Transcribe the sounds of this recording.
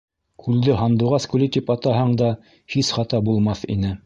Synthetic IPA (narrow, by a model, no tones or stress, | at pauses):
kʰʉld̪ɘɦɑnd̪uʁɑskʉlit̪ipɑt̪ɑɦɑɴd̪ɑ | hisχɑt̪ɑbulˠmɑθḭnɘ